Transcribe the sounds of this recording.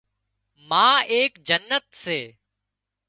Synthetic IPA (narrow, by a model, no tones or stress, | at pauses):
mãːeːkd͡ʒənːət̪seː